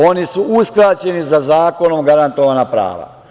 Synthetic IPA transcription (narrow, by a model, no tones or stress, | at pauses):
o̞nisuuskɾat͡ɕe̞nizazaːko̞nomɡaɾant̪oʋaːnapɾa̰ːʋa̰